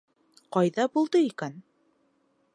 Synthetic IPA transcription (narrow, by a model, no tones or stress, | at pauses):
qɑjðɑbulˠd̪ɤikæn